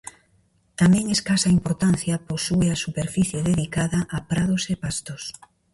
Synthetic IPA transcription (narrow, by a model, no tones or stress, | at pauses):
t̪amɛ̃ŋeskasɐimpoɾt̪an̟θjɐposueɐsupeɾfiθjeðeðikaðɐʔːpɾaðosepast̪os